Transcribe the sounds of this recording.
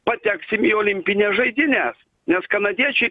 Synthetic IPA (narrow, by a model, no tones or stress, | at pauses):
pɐt̪ʲæksʲɪmiːoːlʲɪmʲpʲɪnʲɛsʒɐɪd̪ʲɪnʲæːs | nʲɛskɐnɐd̪ʲiɛt͡ʃʲɛɪ